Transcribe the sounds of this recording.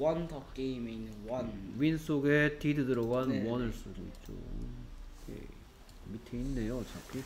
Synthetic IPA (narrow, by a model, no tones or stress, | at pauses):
wʌntʰʌp̚k͈eimeinːɯnwʌnwins͈ʰoɡe̞tidɯdɯɾʌɡanwʌnɯɭs͈oɡiit̚t͡ɕ͈o̰ | kḛ | mitʰeinːe̞jot͡ɕakʰi